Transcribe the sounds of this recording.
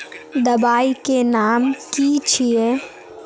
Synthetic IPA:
d̪ɐbaːikenaːmkiːt͡ʃʰie

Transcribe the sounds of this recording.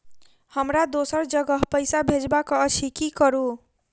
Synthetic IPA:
hʌmɾad̪osʌɾd͡ʒʌɡʌɦpəjsabʱed͡ʒbakɔːt͡ʃʰikikʌɾu

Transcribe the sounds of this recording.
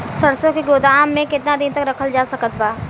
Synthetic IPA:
sɐɾsõkiɡoːd̪aːmːẽkɪt̪nad̪ɪnt̪ɐkɾɐkʰəld͡ʒaːsɐkət̪baː

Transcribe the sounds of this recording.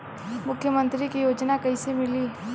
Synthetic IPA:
mʊkʰːjəmə̃nt̪ɾikijoːd͡ʒnakɐisemɪliː

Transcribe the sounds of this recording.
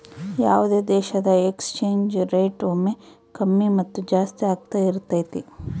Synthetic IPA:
jaːʋud̪eːd̪ɛːʃɐd̪ɐekst͡ʃeːɲd͡ʒɾeːʈoːme | kɐmːimɐt̪ːud͡ʒaːst̪iaːɡ̚t̪aiɾt̪aːjt̪i

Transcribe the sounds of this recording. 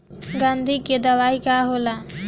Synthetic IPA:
ɡand̪ʱiːked̪ɐʋaːikaːɦola

